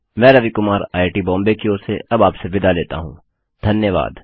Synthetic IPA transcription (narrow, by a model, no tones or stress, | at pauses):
mɛ̃ːɾɐʋikʊmaːɾaːɪʈibɔ̃ːmbekioːseɐbaːpseʋɪd̪aleːt̪a̰ɦũː | d̪ʱɐnjəʋa̰ːd̪